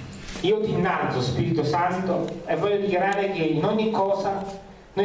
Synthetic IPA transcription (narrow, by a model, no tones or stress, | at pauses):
iːot̪inːalt̪sospiːɾit̪osant̪oevːɔʎːod̪ikjaɾaːɾek̟einɔɲːikːɔːsa | no